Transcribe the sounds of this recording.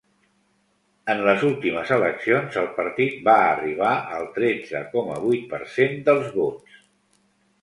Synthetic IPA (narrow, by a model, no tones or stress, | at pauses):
ənləzulˠt̪iməzələksionzəlˠpəɾt̪it̪̚baəriβ̞aəlˠt̪ɾɛd͡zə̰kɔmə̰β̞ujt̪̚pəɾsend̪əlˠzβots